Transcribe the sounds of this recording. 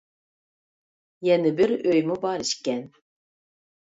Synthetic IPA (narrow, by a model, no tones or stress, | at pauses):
jɛnɨbɪɾøjmubɑɾiʃkʲɛn